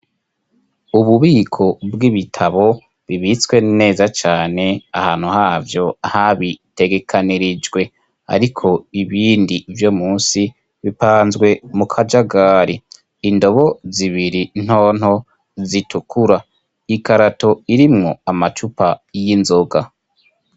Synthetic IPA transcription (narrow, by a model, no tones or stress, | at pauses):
uβuβiːkʰo̞bɡiβitʰaβo̞ | βiβit͡swe̞ne̞ːzat͡ʃaːne̞a̰haːn̥huhaːvjo̞ahaβite̞ɡe̞kʰaniɾid͡ʒɡwe̞ | a̰ɾikʰo̞iβiːndivjo̞muːsi | βipaːnzɡwe̞mukʰad͡ʒaɡaːɾiː | ndo̞βo̞ziβiɾin̥ho̞ːn̥ho̞ | zitukʰuɾa | ikaɾato̞iɾimŋo̞amat͡ʃupajinzo̞ɡa